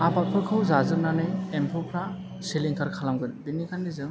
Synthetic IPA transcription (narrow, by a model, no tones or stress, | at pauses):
abat̚pʰɯkʰɯwzazɯɾnanɯempʰɔpʰɾa | siliŋkʰaɾkʰalamɡɯnbinːikʰandizɯŋ